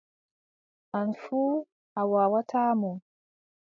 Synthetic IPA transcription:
ʔanfuː | ʔawawatʰaːmɔ

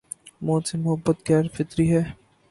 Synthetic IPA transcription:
moːsemʊɦəbːət̪̚ɡɛːɾfɪt̪ɾiɦɛː

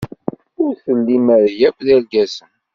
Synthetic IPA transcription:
ʊɾθəlːimæɾjækðælɡæsən

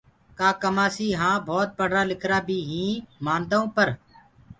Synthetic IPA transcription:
kaːkəmaːsiːɦãːbʱɔːt̪̚pəɽɾaːlɪkʰɾaːbʱiːɦĩːmãːnd̪aõːpəɾ

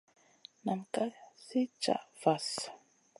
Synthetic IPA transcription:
naŋkasɪt͡ʃa̰fas

